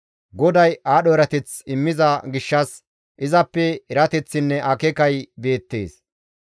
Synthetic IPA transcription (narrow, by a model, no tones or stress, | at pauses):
ɡɔd̪ɐjaːɗɔɛɾɐt̪ɛt͡sɪmːɪzɐɡɪʃːɐs | ʔɪzɐpːɛɛɾɐt̪ɛt͡sːɪnːɛʔɐkɛkɐjbe̞ːt̪ːe̞ːs